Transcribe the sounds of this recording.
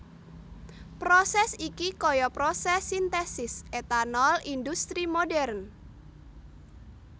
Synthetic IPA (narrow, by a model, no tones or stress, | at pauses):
pɾɔsɛsikikɔjɔpɾɔsɛsint̪ɛsɪsʔet̪anɔlind̪ust̪ɾimodɛrn